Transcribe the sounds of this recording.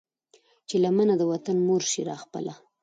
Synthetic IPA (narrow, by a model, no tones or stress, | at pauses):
t͡ʃelamanad̪əwat̪anmoɾʃiɾɑxpə̰lʔa